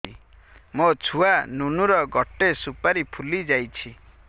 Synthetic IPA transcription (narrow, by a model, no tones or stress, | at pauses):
ḭmot͡ʃʰuanunuɾɔɡɔʈesupaɾipʰulid͡ʒajt͡ʃʰi